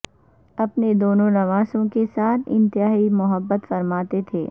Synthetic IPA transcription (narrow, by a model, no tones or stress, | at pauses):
ɐpned̪oːnõnɐʋaːsõkesaːt̪ʰɪ̰̃nt̪ɪaːimʊɦəbːət̪fɐɾmaːt̪et̪ʰeː